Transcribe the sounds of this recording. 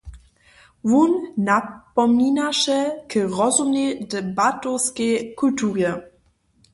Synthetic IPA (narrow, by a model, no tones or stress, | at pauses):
vunnapɔminaʃɛkəʁɔzumnedɛbatɔskejkultuːʁjɛ